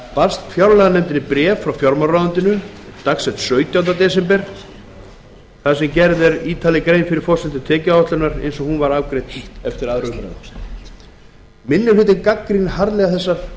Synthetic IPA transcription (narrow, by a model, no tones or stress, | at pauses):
palst̪fjawɾlɛɣanɛmt̪ɪnɪpɾɛːvfɾawfjɔɾmaɾːaðʏnt̪ɪnʏt̪aksɛt̪sœːɥt̪jawnt̪̬at̪ɛːs̬ɛmpɛɾ̥ | θaðsɛmcɛɾðɛɾiːt̪ʰaːlɪkɾeːjnfɪɾɪɾ̥fɔr̥sɛnt̪ɪt̪ʰɛːcɪaɔht̪lʏnaɾḛjnsɔhunvaɾaːwkɾejt̪ɛft̪ɪɾaðɾʏfɾa̰ðʏ̰ | mɪnːɪlvɪt̪̬ɪnkakːɾinhaɾlɛɣaθɛsːaɾ